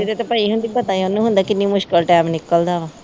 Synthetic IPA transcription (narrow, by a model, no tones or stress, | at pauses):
d͡ʒed̪et̪opəiɦʊ̃nd̪ipət̪aːionːũːɦʊ̃nd̪aːkɪnːĩmʊʃkəlʈɛːmnɪkːəld̪aːʋãː